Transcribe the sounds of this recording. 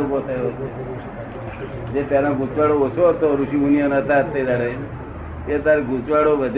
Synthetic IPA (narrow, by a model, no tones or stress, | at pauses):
ɾupot̪ʰəjot̪o | d͡ʒepjalãɡʱut͡ʃʋaɽoosot̪oɾuʃiunijənət̪at̪ːed̪aɽe | et̪aɾɡʱut͡ʃʋaɽobəd̪ʱ